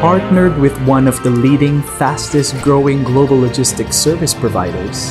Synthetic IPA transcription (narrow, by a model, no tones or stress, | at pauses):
pʰɑɹttⁿnə˞d̚wɪðwʌ̃nʌvðəliɾɪ̃ŋfæstɨstɡ̥ɹoʊɪ̃ŋɡloʊbl̩ˠlɔd͡ʒɪstɨksɜ˞vɨspʰɹ̥ɔva̰ɪɾə˞z̥